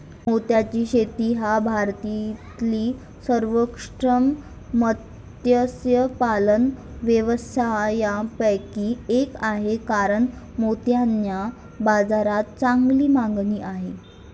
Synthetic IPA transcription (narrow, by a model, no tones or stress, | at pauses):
mot̪jat͡ɕiːɕet̪iːɦabʱaɾt̪it̪liː | səɾʋəkʂʈɾəm | mət̪ | jəsjəpalənʋjəʋəst̪ʰajapəjkiːekaɦekaɾəɳmot̪janja | bad͡zaɾat̪̚t͡saŋɡliːmaŋɡniːʔaɦe